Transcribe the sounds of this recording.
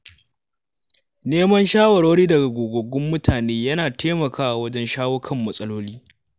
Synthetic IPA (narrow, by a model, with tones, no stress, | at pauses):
neː˦mɐ˦nʃaː˦wɐ˨ɽoː˦ɽiː˦dɐ˨ɡa˨ɡʷoː˨ɡʷo˨ɡʷʊ˦mːʊ˦tʰaː˨neː˦jɐ˦naː˨tʰeː˦mɐ˨kʰaː˦ʔa˨wɐ˦d͡ʒɛ˦nʃaː˦woː˦kʰɐ˦˨mːɐ˨sʼɐ˦loː˦liː˦